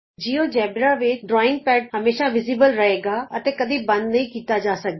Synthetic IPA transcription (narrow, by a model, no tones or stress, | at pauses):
d͡ʒiːõd͡ʒɛːbɾaʋɪt͡ʃɖɾɔːɪ̃ŋɡpɛːʈ̚ɦɐmeːʃãʋɪziːbəlɾɐɦeːɡaɐt̪ẽkɐd̪ʱibɐ̃nd̪nɐɦĩkiːt̪ad͡ʒaːsɐɡ̪